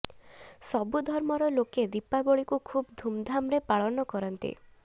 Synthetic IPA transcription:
sɔbud̪ʱɔɾmɔɾɔloked̪ipabɔɭikukʰubd̪ʱumd̪ʱamɾepaɭɔnɔkɔɾɔnt̪ḭ

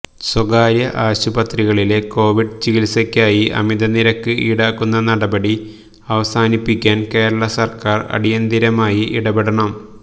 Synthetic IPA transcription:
swɐɡaːɾjɐʔaːɕubɐt̪riɣɐɭile̞ko̞ːʋiɖt͡ɕiɣilsɐkʲːaːjiʔɐ̰mid̪ɐniɾɐkːɨʔiɽaːkːunːɐnɐɽɐbɐɽi | ɐʋɐsaːnipːikʲːaːnke̞ːɾɐɭɐsɐrkaːrɐ̰ɽijɐnd̪iɾɐmaːjiʔiɽɐbeɽɐɳɐm

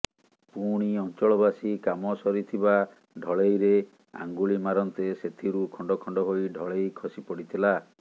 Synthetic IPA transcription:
puɽ̃iɔnt͡ʃɔɭɔbasikamɔsɔɾit̪ʰiba | ɖʱɔɭejɾe | a̰ŋɡuɭimaɾɔnt̪eset̪ʰiɾukʰɔɳɖɔkʰɔɳɖɔɦoiɖʱɔɭejkʰɔsipɔɽit̪ʰila

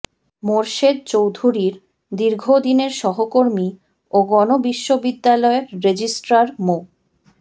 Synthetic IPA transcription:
moɾʃed̪̚t͡ɕowd̪ʱuɾiɾ | d̪iɾɡʱod̪ineɾʃɔɦokoɾmi | oɡɔnobiʃːobid̪ːalɔeɾːed͡ʑisʈɾaɾmo

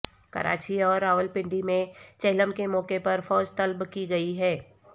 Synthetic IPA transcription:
kɐ̰ɾʔa̰ːt͡ʃiɔːɾːaːʋəlpɪ̃ɳɖimẽt͡ʃɛːləmkemɔːkepɐɾfɔːd͡ʒt̪ɐlbkiɡɐiɦɛː

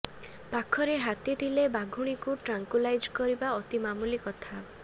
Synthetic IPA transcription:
pakʰɔɾeɦat̪it̪ʰilebaɡʱuɽ̃ikuʈɾaŋkwilajd͡ʒkɔɾibaɔt̪imamulikɔt̪ʰa

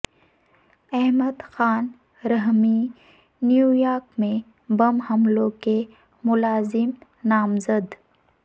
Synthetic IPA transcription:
ɛɦməd̪xaːn | ɾəɦmi | njuːjaːɾkmẽ | bɐmhɐmlõke | mʊlaːzɪm | naːmzəd̪

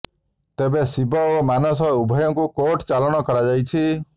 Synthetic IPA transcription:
t̪ebesibɔmanɔsɔubʱɔjɔŋkukoʈt͡ʃalɔɽ̃ɔkɔɾad͡ʒajt͡ʃʰi

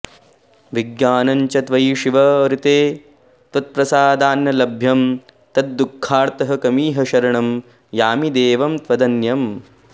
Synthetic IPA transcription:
ʋiɡjaːnɐɲt͡ʃɐt̪ʋɐjʃiʋɐɾit̪eː | t̪ʋɐt̪̚pɾɐsaːd̪aːnjɐlɐbʱjɐm | t̪ɐt̪̚d̪ukʰːaːɾt̪ɐɦɐkɐmiːɦɐʃɐɾɐɳɐm | jaːmid̪eːʋɐmt̪ʋɐd̪ɐnjɐm

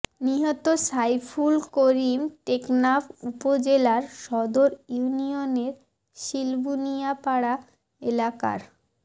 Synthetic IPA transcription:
niɦɔt̪osajfʰulkoɾimʈeknapʰupod͡ʑelaɾʃɔd̪oɾjunioneɾ | ʃilbunijapaɽa | elaka̰ɾ

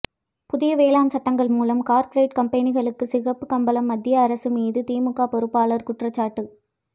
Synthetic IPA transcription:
pʊðɪjɐʋeːlaːnsɐʈːɐŋɡɐɭmuːlɐmkaːɾpɔɾeɪʈkɐmpɐnɪɣɐɭɯkːɯsɪɣɐpːɯkɐmbɐlɐmːɐd̪ːɪjɐːɾɐsɯmiːðɯt̪iːmɯkːaːpɔɾɯpːaːɭɐɾkʊʈrɐt͡ʃːaːʈːɯ

